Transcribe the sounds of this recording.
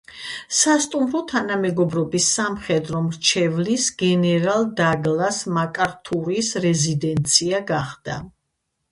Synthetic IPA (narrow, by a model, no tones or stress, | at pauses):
sast̪ʼumɾɔt̪ʰanamɛɡɔbɾɔbisːamχɛd̪ɾɔmɾt͡ʃʰɛvlisɡ̥ɛnɛɾalˠd̪aɡlˠasmakʼaɾt̪ʰuɾisɾɛzid̪ɛnt̪sʰiaɡaχd̪̥a̰